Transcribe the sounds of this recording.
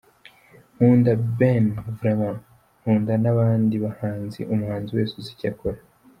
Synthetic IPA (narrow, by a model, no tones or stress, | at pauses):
huːndabenvɾemãn | huːndanaβaːndiβahaːnzḭʔumuhaːnziwe̞ːsuzicakoɾa